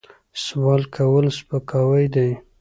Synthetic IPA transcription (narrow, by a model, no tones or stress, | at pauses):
swɑlkʰawəlspəkɑwəjd̪aj